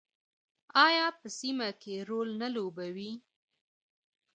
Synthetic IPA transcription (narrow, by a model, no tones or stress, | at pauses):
ɑjɑpəsimakeɾolnalobawi